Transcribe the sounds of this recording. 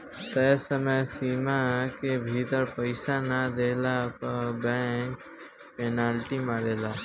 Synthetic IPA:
t̪əsəməjsiːmakebʱit̪əɾpəɪsanad̪eːlabɛːk | penaːlʈimaɾeːlaː

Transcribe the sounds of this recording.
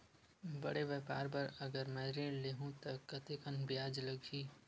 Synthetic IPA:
bəɽeʋɛːpaːɾpəɾəɡəɾmɛ̃ɾẽleɦũt̪ɐkːət̪ekənbjaːd͡ʒləɡʱiː

